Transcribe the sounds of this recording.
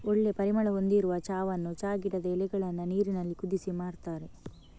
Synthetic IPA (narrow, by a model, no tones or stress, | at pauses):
oɭːe̞pɐɾimɐɭɐo̞nd̪iɾuʋɐt͡ʃaːʋɐnːut͡ʃaːɡiɽɐd̪ɐɛlɛɡɐɭɐnːɐniːɾinɐlːikud̪isimaːɽt̪aːɾe̞